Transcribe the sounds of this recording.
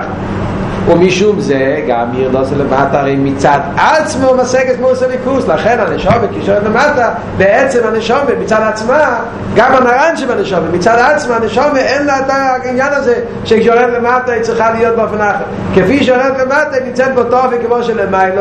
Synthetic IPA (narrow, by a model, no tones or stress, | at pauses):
ʊnmiʃumzɛɡa̰miʁdɔsɪləma̰taaɾeɪnmɪt͡sad̪at͡sməmasɛɡəsmosəlɪkuslˠaχɛnanɪʃɔməkiʃɔʁɛdləmatə | bɪɛt͡sɛmanəʃɔməmɪt͡saːdat͡sma | ɡamanaɾanʃɪbanəʃɔməmɪt͡sadat͡smaanəʃɔməʔɛnlataɪnjanazeɪ | ʃeɪkʃɔɾɛdləmatəet͡sɪχadjɔd̚bɔfɪnaχə | kɪfiːʃ̬ɔɾɛdləmatəmɪt͡sɛdbɔtɔfɪkɪmɔʃələmaɪlˠə